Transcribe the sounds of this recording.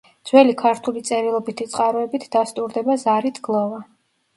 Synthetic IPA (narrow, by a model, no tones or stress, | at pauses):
d̪z̥wɛlikʰaɾt̪ʰulit̪sʼɛɾilˠɔbit̪ʰit̪sʼqʼaɾɔɛbit̪ʰd̪ast̪ʼuɾd̪ɛbazaɾit̪ʰɡlˠɔva